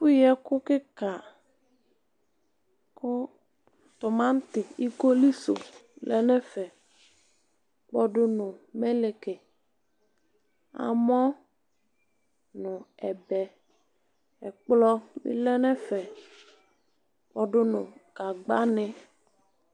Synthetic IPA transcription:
fu˦jɛ˦kʊ˦kɪ˦ka˨ | kʊ˦ | t̪ʊ˨mã˦n˦t̪ɪ˨i˦ko˦li˦so̰˨lɛ˦nɛ˦fɛ˨ | k͡pɔ˦ɖʊ˦nʊ̃˨me˦le˨ke˨ | a̰˨mɔ̃˦ | nʊ̃˨ɛ˨bɛ˨ | ɛ˨k͡plɔ˦mḭ˦lɛ˦nɛ̃˦fɛ˨ | k͡pɔ˦ɖʊ˦nʊ̃˨ka˨ɡ͡ba˦nɪ˦

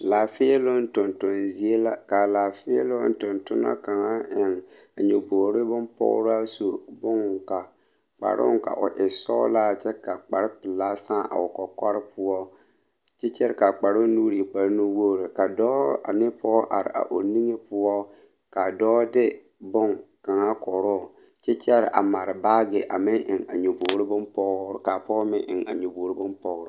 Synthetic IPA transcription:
la˨fɪ˦e˦lo˦n˦tʊ˨ntʊ˦nzi˨e˦la˦ka˨laː˨fɪ˦ɛ˦lo˦n˦tʊ˨ntʊ˦na̰˦ka˨ŋa˦ɪ˨ŋ | a˨ɲɛ˨bo˨ɾɪ˦bʊ˦mpɔ̰˦ʊ̰˦ɾa˦so˨bʊ˦ŋ˨ŋka˨ | k͡pa̰˨ɾʔʊ̰˦ŋka̰˨ʔʊ˨ʔɪ˨sɔ̰˦la˦˨t͡ʃɛ˦ka˨k͡pa˨ɾɪ˦pɪ˨laː˦saː˦ʔa̰˨ʊ˨kɔ˨kɔ˦ɾɪ˦pʊ˦ɔ˦ | t͡ʃɛ˦t͡ʃɛ˦ɾka˨k͡pa˨ɾo˦nuː˦ɾi˨k͡pa˨ɾno˦wo˦˨ɾe˨ka˨dɔː˦a̰˨nɪ˦pɔ˦ʔa˨ɾɪ̰˨a̰˨ʔo˨ni˦ŋe˦pʊ˦ɔ˦ | ka˨dɔː˦dɪ˦ | bʊ˦ŋka˨ŋa˦kɔ˨ɾɔ˦˨ | t͡ʃɛ˦t͡ʃɛ˦ɾɪ˨ʔa̰˨ma˨ɾɪ˨baː˦ɡɪ˨ʔa˨mɪ˦ŋʔɪ˨ŋa˨ɲo˨bo˨˦ɾbʊ˦npɔ˦˨ka˨pɔ˦mɪ˦ʔɪ̰˨ŋa̰˨ɲo˨bo˨ɾɪ˦bʊ˦npɔ˨ɡɾɪ˦

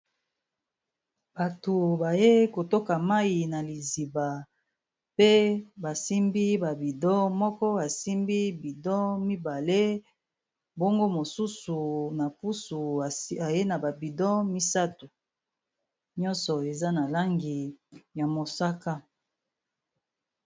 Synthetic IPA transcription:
b̥a˨to˨ba˨je˦ko˨to˦ka˨ma˦i˨na˨li˨zi˨ba˨ | pe˦ba˨si˦mbi˦ba˨bi˨dɔ˦mɔ˦kɔ˦a˨si˦mbi˦bi˨dɔ˦mi˦ba˨le˦ | bo˦ŋɡo˦mo˨su˦su˨na˨pu˦su˨a˨je˦na˨ba˨bi˨dɔ˦mi˦sa˦tu˨ | ɲɔ˦nsɔ˨e˨za˦na˨la˦ŋɡi˨ja˨mo˨sa˦ka˦

